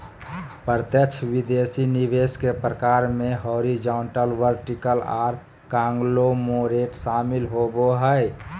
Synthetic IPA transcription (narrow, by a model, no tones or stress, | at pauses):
pəɾt̪jəkt͡ʃʰʋid̪esiniʋeskepɾəkaɾmẽɦoɾid͡ʒaːɳʈəlʋəɾʈikəla̰ːɾ | kãːŋɡlomoɾeʈsaːmilɦoboɦəe